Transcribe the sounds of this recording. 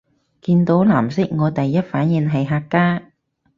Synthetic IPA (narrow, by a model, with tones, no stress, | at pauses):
kiː˧nt̪o˨˥wlaː˨˩msɪ˥k̚ŋɔː˨˧t̪ɐ˨jːɐ˥t̚faː˨˥njiː˨˧nɦɐ˨jɦaː˧kːaː˥